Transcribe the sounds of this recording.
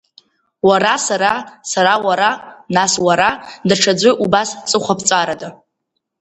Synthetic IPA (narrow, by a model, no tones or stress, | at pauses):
waɾasaɾasaɾawaɾanaswaɾadaʈ͡ʂʰad͡zʷɨʔubast͡sʼɨχʷapʰt͡sʼaɾada